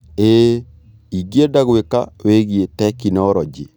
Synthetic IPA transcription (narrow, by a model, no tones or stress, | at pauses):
e | iɡjedaɡweka̰weɡietɛkinɔɾɔd͡ʒḭ